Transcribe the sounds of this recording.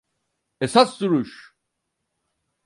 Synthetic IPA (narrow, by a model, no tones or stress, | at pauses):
esasːuɾuʃ